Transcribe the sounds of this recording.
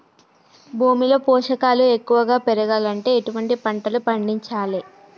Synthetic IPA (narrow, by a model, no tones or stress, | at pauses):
bʱuːmilo̞ːpɔːʂɐkaːlue̞kːuʋɐɡaːpeɾɐɡaːlɐɳʈe̞ːeʈuʋɐɳʈipɐɳʈɐlupɐɳɖiɲt͡ʃaːli